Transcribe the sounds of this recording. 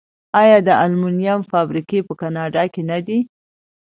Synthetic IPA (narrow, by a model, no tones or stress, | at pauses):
ɑjɑd̪əalmunijamfɑbɾikepəkanɑɖɑkenad̪i